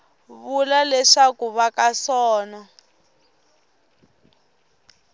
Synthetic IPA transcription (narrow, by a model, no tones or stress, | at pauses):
βulalɛʂakuβakasɔːna